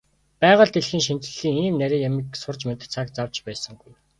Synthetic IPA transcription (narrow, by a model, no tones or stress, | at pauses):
pæːʁə̆ɮt̪eɮxiːŋʃint͡ɕɘ̆ɮ̥iːŋiːmnæɾʲiːŋjamĭksʊrt͡ɕmet̪ɘ̆t͡sʰakt͡sawt͡ɕpæːsə̆ŋɡuj